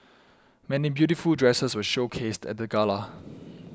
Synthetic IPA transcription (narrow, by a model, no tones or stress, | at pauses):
mɛnibjutifuldɹɛsəswəʃokʰestɛ̰t̚dəɡala